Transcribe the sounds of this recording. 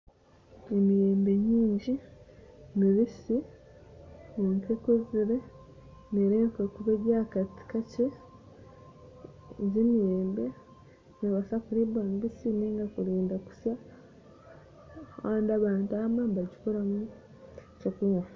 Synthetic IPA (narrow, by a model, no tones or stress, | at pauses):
emijeːmbe̞ɲiːɲɟi | miβisi | niŋkekuziɾe | neɾekekuβeɟakati̥kace | ɟemijeːmbe | neβasakuɾiβaniβisineːŋɡakuɾiːndaku̥sja | aːndaβaːntaːmambaɟi̥koɾamu | t͡ʃokuma